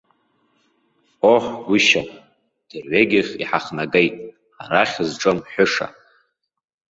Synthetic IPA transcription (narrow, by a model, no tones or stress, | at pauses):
oħʷɡʷʊʃa | d̥ɨrʕʷeɡʲɪχʲḭħaχnaɡejtʼ | aɾaχʲɨzʈ͡ʂʼomħʷʊʂa̰